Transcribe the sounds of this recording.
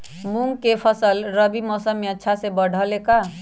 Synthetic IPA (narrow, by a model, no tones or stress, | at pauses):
muŋɡkepʰəsəlɾəbimɔsəmːeətːʃʰasebəɽ̤ʱəleka